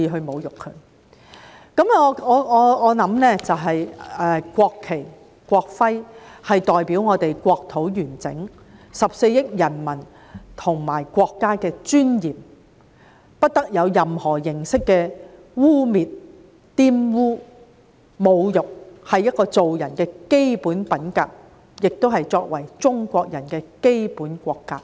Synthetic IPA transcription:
iː˧ɦɵ˧ɥmo˨˧wjʊ˨kʰːɵ˨˩ | kɐ˨˥mŋɔː˨˧ɔː˨˧ɔː˨˧ɔː˨˧nɐ˨˥mnɛː˥t͡sɐ˨wɦɐ˨jɛ˨˧kʷɔː˧kʰːe˨˩j | kʷɔː˧k̚fɐ˥jhɐ˨jt̪ɔː˨jpiː˨˥wŋɔː˨˧t̪e˨jkʷɔː˧k̚t̪ʰo˨˥wjyː˨˩nt͡sɪ̰˨˥ŋ | sɐ˨p̚se˧jjɪ˥k̚jɐ˨˩nmɐ˨˩n | t̪ʰʊ˨˩ŋmaː˨˩jkʷɔː˧kːaː˥kɛː˧t͡ʃyː˥njiː˨m | pɐ˥t̚t̪ɐ˥k̚jɐ˨˧wjɐ˨mhɔː˨˩jɪ˨˩ŋsɪ˥kːɛː˧ | wuː˥miː˨t̚ | t̪iː˥mwuː˥ | mo˨˧wjʊ˨k̚hɐ˨jɐ˥t̚kɔː˧t͡so˨wjɐ˨˩nkɛː˧ke˥jpuː˨˥npɐ˨˥nkaː˧k̚ | jɪ˨k̚t̪o˥wɦɐ˨jt͡sɔː˧k̚wɐ˨˩jt͡ʃʊ˥ŋkʷɔː˧k̚jɐ˨˩nkɛː˧ke˥jpuː˨˥nkʷɔː˧kːaː˧˥k̚

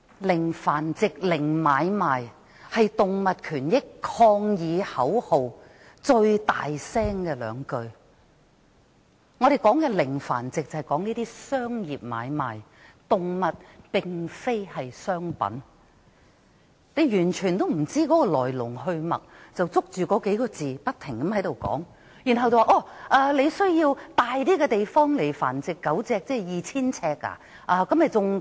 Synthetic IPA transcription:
lɪ˨˩ŋfaː˨˩nt͡sɪ˨k̚lɪ˨˩ŋmaː˨˧jmaː˨j | hɐ˨jt̪ʊ˨ŋmɐ˨t̚kʰyː˨˩njɪ˥kʰɔː˧ŋjiː˨˧hɐ˨˥who˨w | t͡ʃɵ˧ɥt̪a̰ː˨jsɛː˥ŋkɛː˧lœ̰ː˨˧ŋkɵ˧ɥ | ŋɔ˨˧ɾe˨jkɔː˨˥ŋkɛ˧lɪ˨˩ŋfa̰ː˨˩nt͡sɪ˨k̚t͡sɐ˨˩hjkɔː˨˥ŋniː˥t̪iː˥sœː˥ŋjiː˨p̚ma̰ː˨˧jma̰ː˨˩jt̪ʊ˨ŋmɐ˨t̚pɪ˨ŋfe˥jhɐ˨jsœː˥ŋpɐ̰˨˥n | ne˨˧jjyː˨˩nt͡ʃʰyː˨˩nt̪̬o˥wm̩˨˩t͡siː˥kɔː˨˥kɔː˧lɔ̰ː˨˩jlʊ˨˩ŋhɵ˧ɥmɐ̰˨˩k̚t͡sɐ˨wt͡sʊ˥k̚t͡ʃyː˨kɔː˨˥ke˨˥jkɔː˧t͡siː˨˩pɐ˥t̚t̪ʰːɪ˨˩ŋkɐ˨˥mhɐ˨˥jt̪o˨˩wkɔ̰ː˨˥ŋ | jyː˨˩nɦɐ˨wt͡sɐ˨waː˨˧ʔɔː˨˧˩ʔaː˧le˨˧jsɵ˥ɥjiː˧wt̪aː˨jt̪iː˥kɛː˧t̪e˨jfɔː˥ŋle˨˩jfa̰ː˨˩nt͡sɪ˨kːɐ˨˥wt͡sɛː˧k̚t͡sɛː˥˨jiː˨t͡sʰiː˥nt͡sʰɛː˧˥k̚ːa̰˧ | ʔaː˧kɐ˨˥mjɐ˨˩t͡sʊ˨ŋ

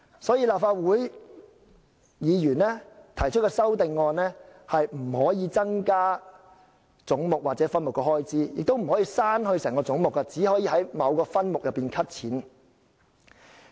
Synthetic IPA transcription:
sɔː˨˥jiː˧laː˨p̚faː˧t̚wuː˨˥j | jiː˨˧jyː˨˩nlɛː˥t̪ʰɐ˨˩jt͡ʃʰt̚kɔː˧sɐ˥wt̪ɪ˧ŋːɔː˧nlɛː˥hɐ˨jm̩˨˩hɔː˨˥jiː˨˧t͡sɐ˥ŋkaː˥ | t͡sʊ˨˥ŋmʊ˨k̚waː˨t̚t͡sɛː˨˥fɐ˥nmʊ˨kːɔː˧hɔː˥jt͡siː˥jɪ̰˨k̚t̪o˥wm̩˨˩hɔː˨˥jiː˧saː˥nhɵ˧ɥsɛː˨˩ŋkɔː˧t͡sʊ˨˥ŋmʊ˨kːa˧t͡siː˨˥hɔː˨˥jiː˧ɦɐ˨˥jmɐ˨˧wkɔː˧fɐ˥nmʊ˨k̚jɐ˨pːiː˨nkʰɐ˥t̚t͡sʰiː˨˥n

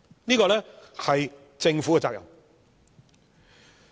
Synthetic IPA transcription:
niː˥kɔː˧lɛː˥hɐ˨j | t͡sɪ˧ŋfu˨˦˥kɛ˨t͡saː˨kjɐ˨w

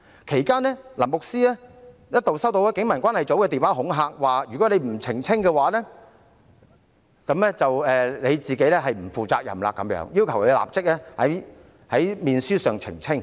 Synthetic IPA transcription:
kʰe˨˩jkaː˥nɛː˥la˨˩mʊ˨k̚siː˥lɛː˥jɐ˥t̚t̪o˨wsɐ˥wt̪o˨˥wɛ˥kɪ˨˥ŋmɐ˨˩nkʷaː˥nhɐ˨˩jt͡so˨˥wkɛː˧t̪iː˨˩waː˨˥ɦʊ˨˥ŋɦaː˧k̚waː˨jyː˨˩kɔ˨˥le˨˧jm̩˨˩t͡sʰɪ˨˩ŋt͡sʰɪ˥ŋkɛ˧waː˨˥lɛ˥ | kɐ˨˥mlɛ˥t͡sɐ˨wɛː˨le˨˧jt͡siː˨ke˨˥jlɛ˥ɦɐ˨jm̩˨˩fuː˨t͡saː˧k̚jɐ̰˨mla̰ː˧kːɐ̰˨˥mjœ̰ː˨˥ŋjiː˥wkʰɐ˨˩wke˨˧la̰ː˨p̚t͡sɪ˥k̚lɛː˥hɐ˨˥j | hɐ˨˥jmiː˨nsyː˥sœː˨ŋt͡sʰɪ̰˨˩ŋt͡sʰɪ˥ŋ

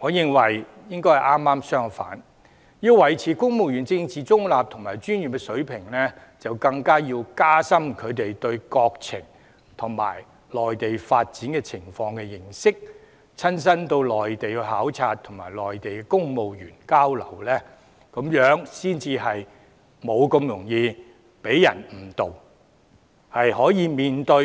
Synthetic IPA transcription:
ŋɔː˨˧jɪ˨ŋwɐ˨˩j | jɪ˥ŋkɔ˥jhɐ˨˩jʔaː˥mːaː˥msœː˥ŋfa̰ː˨˥n | jiː˧wwɐ˨˩jt͡sʰiː˨˩kʊ˥ŋmo˨wjyː˨˩nt͡sɪ˧ŋt͡siː˨t͡sʊ˥ŋlaː˨p̚t̪ʰʊ˨˩ŋmaː˨˩jt͡ʃyː˥njy˨˩kɛ˧sɵ˨˥ɥpʰɪ˨˩ŋlɛ˥ | t͡sɐ˨wkɐ˧ŋkaː˥jiː˧wkaː˥sɐ˥mkʰɵ˨˧ɥt̪e˨jt̪ɵ˧ɥkɔː˧k̚t͡sʰɪ̰˨˩ŋ | t̪ʰʊ˨˩ŋma̰ː˨˩j | lɔː˨jt̪e˨jfaː˧t̚t͡siː˨˥nkɛ˧t͡sʰɪ˨˩ŋfɔː˧ŋkɛ˧jɪ˨˩ŋsɪ˥k̚ | t͡sʰɐ˥ns̬ɐ˥nt̪o˧wlɔː˨˩jt̪e˨jkɛ˧ɦaː˨˥wt͡sʰaː˧t̚t̪ʰʊ˨˩ŋma̰ː˨˩jlɔː˨jt̪e˨jkɛ˧kʊ˥ŋmo˨wjyː˨˩nkaː˥wlɐ˨˩wlɛː˥ | ko˨˥mjœː˨˥ŋsiː˥nt͡siː˧ɦɐ˨j | mo˨˧wkɵ˧mjʊ˨˩ŋjiː˧ | pe˨˥jjɐ˨˩nm̩˨˩t̪o˨w | hɐ˨jhɔː˨˥jiː˨˧miː˨nt̪ɵ˧

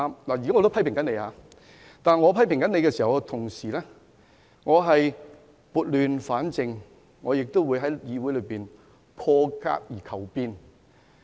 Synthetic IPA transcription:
mlaː˨˩ji˨kaː˨˥ŋɔ˨˧t̪o˥wpʰɐ˥pɪ˨˩ŋkɐ˨˥ne˨˧jhaː˨˧ | t̪aː˨nŋɔː˨˧pʰɐ˥jpɪ˨˩ŋkɐ˨˥ne˨˧jkɛː˧siː˨˩hɐ˨˩wt̪ʰʊ˨˩ŋsiː˨˩lɛː˥ | ŋɔː˨˧ɦɐ˨j | puː˨t̚lyː˨nfaː˨˥nt͡sɪ˨ŋː | ɔː˨˧jɪ˨k̚t̪o˥wuː˨˧jɦɐ˨˥jjiː˨˧wuː˨˥jlɵ˨˧˥piː˨n | pʰɔː˧ka̰ː˥k̚jiː˨˩kʰɐ˨˩wpiː˧n

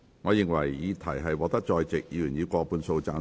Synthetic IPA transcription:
ŋɔː˨˧jɪ˨ŋwɐ˨˩jːiː˨˧t̪ʰɐ˨˩jɦɐ˨jwɔː˨˧t̪ɐ˥k̚t͡ʃɔː˧jt͡sɪ˨k̚jiː˨˧jyː˨˩njiː˨˧kʷɔː˧puː˧nso˧wt͡saː˧n

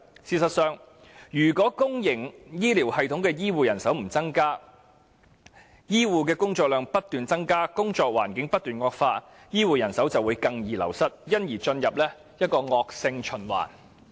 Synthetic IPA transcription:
siː˧sɐ˨t̚sœː˨˧ŋ | jyː˨˩kʷɔː˨˥kʊ˥ŋjɪ˨˩ŋjiː˥liː˨˩whɐ˨jt̪ʰʊ˥ŋkɛː˧jiː˥wuː˨jɐ˨˩nsɐ˨˥wm̩˨˩t͡sɐ˥ŋkaː˥ | jiː˥wuː˨˧k̬ɛː˧kʊ˥ŋt͡sɔː˧k̚lœː˨˧ŋpɐ˥t̚t̪yː˨nt͡sɐ˥ŋkaː˥kʊ˥ŋt͡sɔː˧k̚waː˨˩nkɪ˨˥ŋpɐ˥t̚t̪yː˨˩nŋɔː˧k̚faː˧ | jiː˥wuː˨jɐ˨˩nsɐ˨˥wt͡sɐ˨wuː˨˧jkɐ˧ŋjiː˨lɐ̰˨˩wsɐ˥t̚jɐ˥njiː˨˩t͡ʃɵ˧njɐ˨p̚lɛː˥ | jɐ˥t̚kɔː˧ŋɔː˧k̚sɪ˧ŋt͡ʃʰɵ˨˩nwa̰ː˨˩n

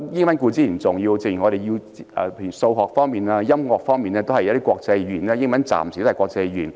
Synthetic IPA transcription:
jɪ˥ŋmɐ˨˦nkuː˧t͡siː˥˩i˨˩nt͡sʊ˨ŋjiː˧wt͡se˧ŋjŋɔː˨˧ɾe˨˩ji˧wɛː˨˩pe˧˩y˨˩so˧wɦɔː˨˩k̚fɔː˥ŋmiː˨˩naː˧jɐ˥mŋɔː˨k̚fɔː˥ŋmiː˨nɛː˥t̪o˥whɐ˨jt̪i˥kɔː˧k̚t͡sɐ˧jjyː˨˩naː˥˧jɪ˥ŋmɐ˨˦nt͡sa̰ː˨msi˨˩o˥hkɔː˧k̚t͡sɐ˧jjyː˨˩n

